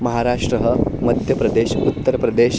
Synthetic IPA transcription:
mɐɦaɾaʂʈɾəɦəməd̪ʱjəpɾɐd̪eɕut̪ːəɾpɾəd̪eɕ

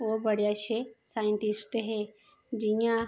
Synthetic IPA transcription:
ʋobɐɽjaʃesajə̃ɳʈisʈɦe | d͡ʒiã

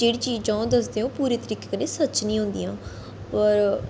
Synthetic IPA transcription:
d͡ʒeːɽiːt͡ʃiːd͡ʒãːd̪əsd̪eːõːpuːɾeːt̪əɾiːkekneːsət͡ʃnĩːɦʊ̃nd̪ḭjãː | ɔɾ

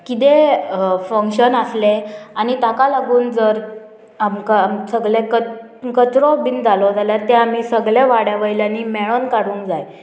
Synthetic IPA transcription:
kit̪̬e | fəŋkɕənasleanit̪akalaɡuːnd͡zəɾ | amkasəɡɭẽkə | kət̪ɾɔbind͡zalɔd͡zaljaɾt̪eamiːsəɡɭeʋaɽjaʋəjljanimeɭonkaɽuːnd͡zaj

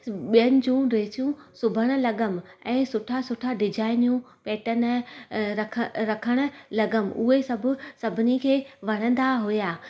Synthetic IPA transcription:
ɓijənɪ̆d͡ʑũɾeːt͡ɕjũsʊbʱəɽ̃ʊ̆lɐɠəmɛ̃ːsʊʈʰasʊʈʰaɖɪd͡ʑʱaːɪnjũ | peːʈən̆ɾɐkʰəɾɐkʰəɽ̃ʊ̆lɐɡəmʔʊɦesɐbʱʊ̆sɐbʱɪnikʰeːʋɐɽ̃ə̃n̆d̪aɦujaː

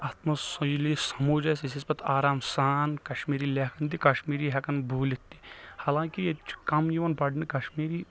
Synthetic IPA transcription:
aːt̪mɐsɐjlisɐmuːd͡ʒɐsisispɐt̪ʰaːɾaːmsaːnkɐʃmiːɾileːkʰɐnt̪ikɐʃmiːɾiɦɛkɐnbʱuːlit̪ːihaːlãːkijet͡ʃʰkɐmjiʋɐnpɐɖnikɐʃmiːɾi

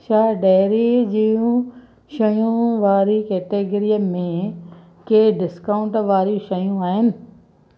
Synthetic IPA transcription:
ʃaːɖɛːɾid͡ʑiũ | ʃɐjũʋaːɾikeːʈeːɡɾijəmẽ | keːɖɪskaːʊ̃ɳʈʋaːɾjĩʃɐjũaːɦɪnɪ̆

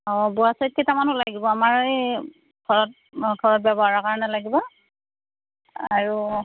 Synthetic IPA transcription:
ɔbuasat̚ketamanʊlaɡibɔamaɹe | ɡ̥ʱɔɹɔt̚ | ɡʰʱɔɹɔt̚babɔaɹakaɹɔnɛlaɡibɔ | aɹu

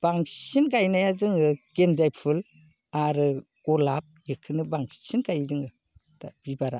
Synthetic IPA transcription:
b̥aŋsinɡajnajazɯŋɯɡ̥enzajpʰɯl | aɾɯ | ɡ̥ɔlap̚jɯkʰɯnɯbaŋsinkajzɯŋɯ | tab̥ibaɾa̰

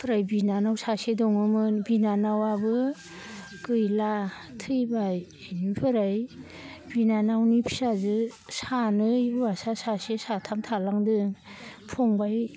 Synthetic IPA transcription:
pʰɾajbinanawsasedɔŋɯmɯnbinanawabɯ | kɯjla | tʰɯjbaj | nipʰɯɾaj | binanawnipʰi̥sazɯsanɯjwasasasesatʰamtʰalaŋdɯŋ | pʰɔŋbaj

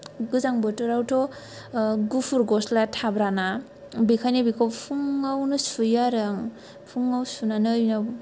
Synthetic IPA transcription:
ɡɯzaŋbɯtɯɾawtʰɔ | ɡupʰuɾɡɔslatʰabɾana | bikʰajnibikʰawpʰuŋawnɯsujaɾaŋ | pʰuŋawsunanɯjna

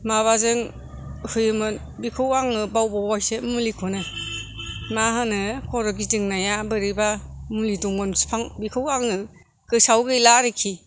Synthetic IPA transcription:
maβazɯŋ | hɯjɯmɯn | bikʰɯwaŋɯbawbɔwajsemulikʰɔnɯ | maɦɯnɯkʰɔɾɔɡidɯŋnajabɯɾibamuliduŋbɯnspʰaŋbikʰɯwaŋɯ | ɡ̥ɯsawɡɯjlaɾɯkʰi

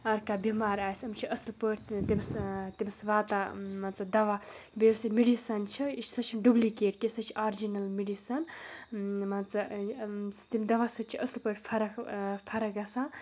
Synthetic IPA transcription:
ɐɾkabimaːɾaːjsɐmt͡ʃʰiʔɐslpəɾʲt̪imst̪imsʋaːt̪amɐnt͡sɐb̚d̪ɐʋabesɐmiɖisɐnt͡ʃʰiiʃsɐt͡ʃʰinɖublikeːʈkesɐt͡ʃʰiʔaːɾd͡ʒinɐlmiɖisɐn | mɐnt͡sɐ | t̪imʲd̪ɐʋasɨt͡ʃʰiʔɐslpəɾʲpʰɐɾɐkpʰɐɾɐkɐsã

